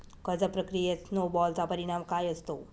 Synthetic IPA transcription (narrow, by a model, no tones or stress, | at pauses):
kəd͡zəpɾəkɾijesnobɔlt͡sapəɾiɽ̃amkajəst̪o